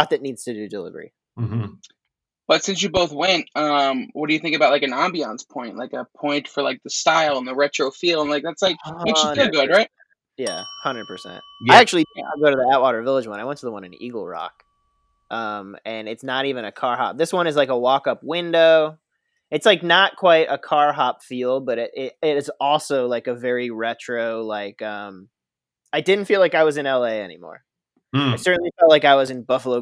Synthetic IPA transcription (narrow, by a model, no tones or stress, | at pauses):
t̪̚ðɨtⁿnidz̥tʰɨdɨdɪlˠə̰ɡɹḭ | m̩ | b̥ʌtsɪ̃ns̬jɨboʊθwɛ̃nt̚ʌ̃mwʌt̚d̥ɨjɨθɪ̃ŋkɨbaʊt̚ˡlaɪkɨ̃nɑ̃mbiɑ̃nspʰɔ̃ɪ̃nʔlaɪkəpʰɔ̃ɪ̃ntfə˞laɪk̚ðɨstaɪlˠə̃nðɨɹɛt͡ʃɹ̥oʊfilˠdə̃nlaɪk̚ðætslaɪkhɨɡʊd̚ɹaɪt̚ | jæ̰hʌ̃ndɹə˞d̚pʰə˞sɛ̰̃nt̚aɪæk̚t͡ʃʉl̩ˠiɪ̃ŋka̰ɪɡoʊɾɨðiaʊʔ̚wɔɾə˞vɪlˠəd͡ʒwʌ̃naɪwɛ̃ntʰəðəwʌ̃nɨ̃niɡl̩ˠɹɑ̰k | ʔʌ̃mɨ̃nɨtsnəɾivɨ̃nɨkʰɑɹɦɑ̰p̚ðɪswʌ̃ñɨzlaɪkəwɔkʌpwɪ̃ndoʊ | ɨtslaɪk̚nət̚kʰw̥aɪɾʔəkʰɑɹɦɑpfilˠd̚bʌɾɪɾʔɪɾɪɾɨtzɔlˠsoʊlaɪkɨvɛɹiɹɛt͡ʃɹ̥oʊlaɪkʌ̃m | aɪdɪdⁿn̩tfilaɪkaɪwʌzɨ̃nɛlˠeɪɛ̰nḭmɔ̰ɹ | aɪsɜ˞ʔn̩lifɛlˠt̚laɪkaɪwʌzɨ̃nbʌfəloʊ